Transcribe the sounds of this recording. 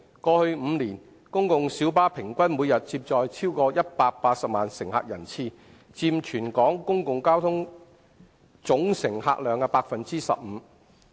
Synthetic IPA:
kɔː˧hɵ˧ɥm̩ː˨˧nliː˨˩n | kʊ˥ŋkʊ˨ŋsi˨˥wpaː˥pʰɪ˨˩ŋkʷɐ˥nmuː˨˧jɐ˨t̚t͡siː˧p̚t͡sɔː˨jt͡sʰiː˥wkɔː˧jɐ˥t̚paː˧k̚paː˧t̚sɐ˨p̚maː˨nsɪ˨˩ŋha̰ː˧k̚jɐ˨˩nt͡sʰiː˧ | t͡siː˧mt͡ʃʰyː˨˩nkɔː˨˥ŋkʊ˥ŋkʊ˨ŋkaː˥wt̪ʰʊ˥ŋ | t͡sʊ˨˥ŋsɪ˨˩ŋha̰ː˧k̚lœː˨˧ŋkɛː˧paː˧k̚fɐ˨nt͡siː˥sɐ̰˨p̚m̩ː˨˦

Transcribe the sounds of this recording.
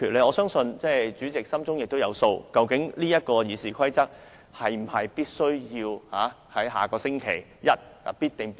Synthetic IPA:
kʰyː˨˩le˨˧jɔː˨˧sœː˥ŋsɵ˧nt͡sɛː˥˩jt͡syː˨˥t͡sɪ˨k̚sɐ˥mt͡sʊ˥ŋjɪ˨k̚t̪o˥wjɐ̰˨˧wso˧wkɐ˧wkɪ˨˥ŋliː˥jɐ˥t̚kɔː˧jiː˨˩siː˨kʰɐ˥jt͡sɐ˥k̚ | hɐ˨jm̩˨˩hɐ˨jpiː˥t̚sɵ˥ɥjiː˧whaː˨˥ | hɐ˨˥jɦa̰ː˨kɔː˧sɪ˥ŋkʰḛ˨˩j | jɐ˥t̚a˨piː˥t̚t̪ɪ˨ŋ

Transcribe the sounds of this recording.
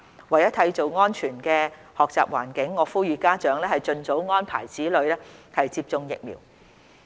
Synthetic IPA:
wɐ˨jɐ˥t̪ʰɐ˧jt͡so˨wŋɔː˥nt͡ʃʰyː˨˩nkɛː˧ | hɔː˨k̚t͡saː˨p̚waː˨˩nkɪ˨˥ŋːɔː˨˧˥fuː˥jyː˨˧kaː˥t͡ʃœː˨˧ŋlɛː˥hɐ˨jt͡ʃɵ˧nt͡so˨˥wŋɔː˥npʰa̰ː˨˩jt͡siː˨˥lɵ˨˧ɥlɛː˥hɐ˨jt͡siː˧p̚t͡sʊ˧ŋjɪ̰˨k̚mḭː˨˩w

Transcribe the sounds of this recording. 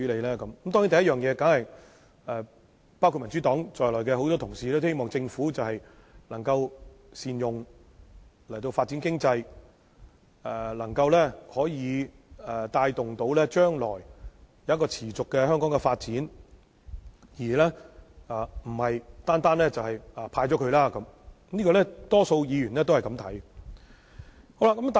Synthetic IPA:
y˥le˨˧lɛː˥kɐ˨˦mkmt̪ɔ˥ŋji˨˥n˨jɐ˥t̚jœː˨ŋjɛː˨˧ka˨˥ŋhɐ˨j | ɛ˨˧ | paː˥wkʰu˧t̚mɐ˨˩nt͡sy˨˥t̪ɔː˨˥ŋt͡ʃɔː˨jlɔː˨˩jkɛː˧ho˨˥wt̪ɔː˥t̪ʰʊ˨˩ŋsiː˨˧lɛː˥t̪ːhe˥jmɔː˨ŋt͡sɪ˧ŋfuː˨˥t͡sɐ˨whɐ˨j | lɐ˨˩ŋkɐ˧w | siː˨˧njʊ˨ŋ | lɐ˨˩jt̪o˧wfaː˧t̚t͡si˨˥nkɪ˥ŋt͡sɐ˧j | ɛː˨˩lɐ˨˩ŋkɐ˧wlɛː˥hɔː˨˥jiː˨˧ | ɛ˨t̪aː˧jt̪ʊ˨ŋt̪o˨˥wlɛː˥t͡ʃœː˥ŋlɔ̰ː˨˩jjɐ˨wɐ˥kɔː˧t͡sʰiː˨˩t͡sʊ˨kːɛ˧hœː˥ŋkɔː˨˥ŋɛ˧faː˧t̚t͡siː˨˥n | jiː˨˩lɛː˥aː˨˩m̩˨˩hɐ˨jt̪aː˥nt̪aː˥nlɛː˥t͡sɐ˨whɐ˨jaː˨pʰaː˧jt͡ɕɔː˨˥kʰɵ˧ɥlaː˥kɐ˨˥m | niː˥kɔː˧lɛ˥t̪ɔː˥so˧wjiː˨˧jyː˨˩nlɛː˥t̪o˥whɐ˨˩jkɐ˧˥mt̪ʰɐ˨˥j | ho˥wla˧kːɐ˨˥mt̪a˨

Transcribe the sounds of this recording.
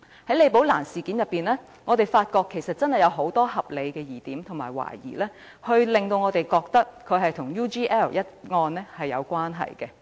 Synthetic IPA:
hɐ˨˥jle˨˧jpo˨˥wlaː˨˩nsiː˨ki˨˥njɐ˨pːiː˨˩nlɛː˥ | ŋɔː˨˧t̪e˨jfaː˧t̚kɔː˧kʰːe˨˩sɐ˨t̚t͡sɐ˥nhɐ˨jɐ˨˧wɦo˨˥wt̪ɔː˥hɐ˨p̚le˨˧jkɛː˧jiː˨˩t̪iː˨˥mt̪ʰʊ˨˩ŋmaː˨˩jwa̰ː˨˩jjḭː˨˩lɛː˥ | hɵ˧ɥlɪ˨ŋt̪o˧wŋɔː˨˧t̪e˨jkɔː˧k̚t̪ɐ˥kʰːɵ˨˧ɥɦɐ˨jt̪ʰʊ˨˩ŋjuː˥t͡ʃiː˥ʔɛː˥˩wjɐ˥t̚ŋɔː˧nlɛ˥hɐ˨jːɐ̰˨˧wkʷwaː˥nɦɐ̰˨jkɛ˧

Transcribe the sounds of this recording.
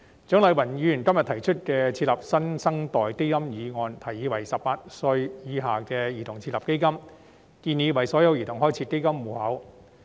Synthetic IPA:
t͡ʃœː˨˥ŋlɐ˨˧jwɐ˨˩njyː˨˧jyː˨˩nkɐ˥mjɐ˨t̪̚ʰɐ˨˩jt͡ʃʰɵ˥t̚kɛː˧t͡sʰi˧t̚lɐ˨p̚sɐ˥nsɐ˥ŋt̪ɔː˨˩jt̪e˥jɐ˥mjiː˨˧ŋɔː˧nt̪ʰɐ˨˩jːiː˨˧wɐ˨˩jsɐ˨p̚ːaː˧t̚sɵ˧ɥjiː˨˧ɦaː˨˩kɛː˧jiː˨˩t̪ʰʊ˨˩ŋt͡sʰi˧t̚lɐ˨p̚ke˥jkɐ˥m | kiː˧nji˨˧wɐ˨˩jsɔː˨˥jɐ˨˧wjiː˨˩t̪ʊ˨˩ŋɦɔː˥jt͡sʰiː˨˧ke˥jkɐ˥mːuː˨˩hɐ˨˥w

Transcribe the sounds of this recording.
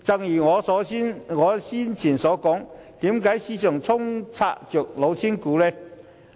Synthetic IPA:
t͡sɐ˧ŋjiː˨˩ŋɔː˨˧sɔː˨˥nŋɔː˨˧siː˥nt͡sʰiː˨˩nsɔː˨˧˥kɔː˨˥ŋt̪iː˨˥mkaː˨˥jsiː˨˧sʰœː˨˩ŋt͡sʰʊ˥ŋt͡sʰa̰ː˧k̚t͡ʃœː˨k̚lo˨˧wt͡sʰiː˥nkuː˨˥lɛː˥

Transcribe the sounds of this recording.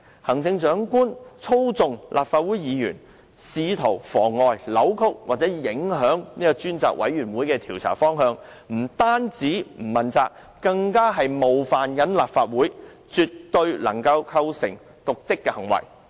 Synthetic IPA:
hɐ˨˩ŋt͡sɪ˧ŋt͡ʃœː˨˥ŋkuː˥nt͡sʰo˥wt͡sʊ˨ŋlʔa̰ː˨p̚faː˧t̚wuː˨˥jjiː˨˧jy̰ː˨˩n | siː˧t̪ʰo˨˩wfɔː˨˩ŋːɔː˨jlɐ˨˥wkʰʊ˥k̚waː˨˩t̚t͡sɛː˨˥jɪ˨˥ŋɦœː˨˥ŋniː˥kɔ˧t͡ʃyː˥nt͡sa̰ː˨k̚wɐ̰˨˥jɥyː˨˩nwu˨˥jkɛː˧t̪ʰiː˨˩wt͡sʰa̰ː˨˩fɔː˥ŋɦœː˧ŋ | m̩˨˩t̪aː˥nt͡siː˨˥m̩˨˩mɐ˨nt͡saː˧k | kɐ˧ŋkaː˥ɦɐ˨jmo˨wfaː˨njɐ˨˥nlaː˨p̚faː˧t̚wuː˨˥j | t͡ʃy˨˧tt̪ɵ˧ɥlɐ˨˩ŋkɐ˧wkʰɐ˧wsɪ̰˨˩ŋ | t̪ʊ˨k̚t͡sɪ˥kːɛ˧hɐ˨˩ŋwɐ̰˨˩j

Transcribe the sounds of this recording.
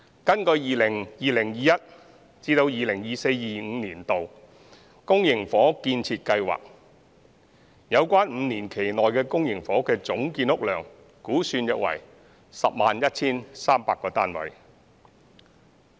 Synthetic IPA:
kɐ˥nkɵ˧jiː˨lɪ˨˩ŋjiː˨˧lɪ˨˩ŋjiː˨˧jɐ˥t̚ | t͡siː˧t̪o˧wjiː˨lɪ˨˩ŋjiː˨se˧jjiː˨˩ŋ̩ː˨˧niː˨˩nt̪o˨w | kʊ˥ŋjɪ˨˩ŋfɔː˨˥kiː˧nt͡sʰiː˧t̚kɐ˧jwa̰ː˨k̚ | jɐ˨˧wkʷaː˥nm̩ː˨˧˦niː˨˩nkʰe˨˩jnɔː˨jkɛː˧kʊ˥ŋjɪ˨˩ŋfɔː˨˥kɛː˧t͡sʊ˨˥ŋkiː˧nʊ˥k̚lœː˨˩ŋ | kuː˨˥syː˧njɐ˨k̚wɐ̰˨˩j | sɐ˨p̚maː˨njɐ˥t̚t͡sʰiː˥nsaː˥mpaː˧kːɔː˧t̪aː˥nwɐ̰˨˥j

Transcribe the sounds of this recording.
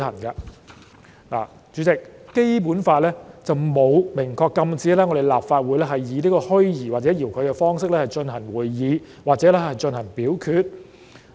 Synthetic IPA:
hɐ˨˩nkaː˧ | la̰ː˨˩ | t͡ʃyː˨˥t͡sɪ˨k̚ːe˥jp̬uː˨˥nfaː˧t̚lɛː˥t͡sɐ˨wmo˨˧wmɪ˨˩ŋkʰɔː˧kːɐ˧mt͡siː˨˥lɛː˥ŋɔ˨˧d̪e˨jlaː˨p̚faː˧t̚wu˨˧jlɛː˥ɦɐ˨jːiː˨˧niː˥kɔː˧hɵ˥ɥjiː˨˩waː˨˩t͡sɛː˨˥jiː˨˩wkʰɵ˨˧ɥkɛː˧fɔː˥ŋsɪ˥k̚lɛː˥hɐ˨jt͡ʃɵ˧nhɐ˨˩ŋwuː˨˩jːiː˨˧ | waː˨t̚t͡sɛ˨˥lɛ˥hɐ˨jt͡ʃɵ˧nhɐ˨˩ŋpiː˨˥wkʰyː˧t̚

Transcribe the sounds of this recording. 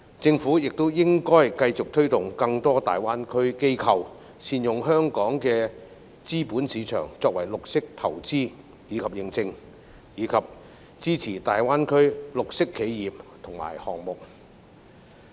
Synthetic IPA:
t͡sɪ˧ŋfuː˨˥jɪ˨k̚t̪o˥wjɪ˥ŋkɔː˥jkɐ˧jt͡sʊ˨k̚t̪ʰɵ˥ɥt̪ʊ˨ŋkɐ˧ŋt̪ɔː˥t̪a̰ː˨jwaː˥nkʰɵ˥ɥke˥jkʰɐ˨˧w | siː˧njʊ˨ŋɦœː˥ŋkɔː˨˥ŋkɛː˧ | t͡siː˥puː˨˥nsiː˨˥t͡ʃʰœ̰ː˨˩ŋt͡sɔː˧k̚wɐ˨˩jlʊ˨k̚sɪ˥k̚t̪ʰɐ˨˩wt͡siː˥ | jiː˨˧kʰɐ˨p̚jɪ˨ŋt͡sɪ˧ŋ | jiː˨˧kʰɐ˨p̚ | t͡siː˥t͡sʰiː˨˩t̪aː˨jwaː˥nkʰɵ˥ɥlʊ˨k̚sɪ˥kʰːe˨˥jjiː˨p̚t̪ʰʊ˨˩ŋma̰ː˨˩jhɔː˨˩ŋ̚mʊ˨k̚

